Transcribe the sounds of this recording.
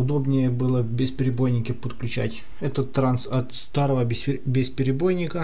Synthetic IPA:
ʊd̪o̞bnʲɪjəbɨlˠəbʲɪspʲɪɾʲɪbo̞jnʲɪkʲɪpət̪klʲʉt͡ɕætʲ | ɛt̪ət̪ːɾant̪sɐt̪st̪aɾəvəbʲɪspʲɪɾʲɪbo̞jnʲɪkə

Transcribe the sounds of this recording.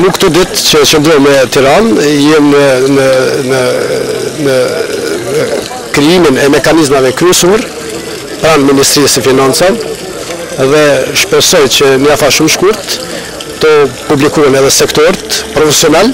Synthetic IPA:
nukt̪ud̪it̪t͡ʃət͡ʃənd̪ɾɔɾmɛt̪iɾanjɛm | ə | kɾiiminɛmɛkanizmavɛkɾysuəɾ | pɾanminist̪ɾiːsəfinansan | ðɛʃpɛsɔjt͡ʃəniafaʃumʃkuɾt̪ | t̪ɔpublikumənɛðɛsɛkt̪ɔɾt̪pɾɔfɛsjɔnɛl

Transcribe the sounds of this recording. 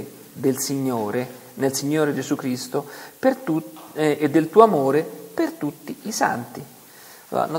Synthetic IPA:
d̪elsiɲːoːɾe | nelsiɲːoːɾed͡ʒezukɾist̪opert̪ued̪ːelt̪uːoamoːɾepert̪ut̪ːiisa̰nt̪ḭ | a̰no

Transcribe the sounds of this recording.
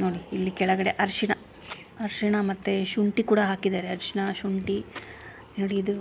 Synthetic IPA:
noːɽiilːikɛɭɐɡɐɽe̞ʔɐɾʂiɳɐ | ɐɾʃiɳɐmɐt̪ːe̞ʃuɳʈikuːɽɐɦaːkid̪aːɾeɐɾʂinɐʃuɳʈi | noːɽiːd̪u

